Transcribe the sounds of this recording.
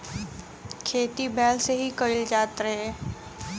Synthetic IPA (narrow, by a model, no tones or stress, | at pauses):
kʰeːt̪ibʱɛːlseɦikəɪld͡ʒaːt̪ɾəɦɛː